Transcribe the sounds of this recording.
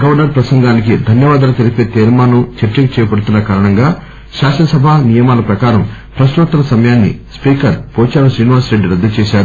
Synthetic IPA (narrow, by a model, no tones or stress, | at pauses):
ɡɐʋɐnɐɾpɾɐsɐŋɡaːnikid̪ʱɐnjɐʋaːd̪ɐːlɐt̪eɾipeːt̪eːɾmaːnut͡ʃeɾt͡ʃɐkɐt͡ʃɛːjɐpɐɽut̪unːɐkaːɾɐɳɐŋɡaː | ʃaːʃɐɐsɐbʱaːnijɐmaːlɐpɾɐkaːɾɐmpɾɐsɾut̪ːɐlɐsɐmɐjaːnːḭspiːkɐɾpɔːt͡ʃaːɾɐsɾiːniʋaːsɾeɖːiɾɐd̪ːɐt͡ʃɛːʃaːɾu